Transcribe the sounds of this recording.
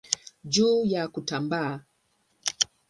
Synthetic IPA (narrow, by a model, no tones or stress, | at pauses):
d͡ʒuːjakutambaa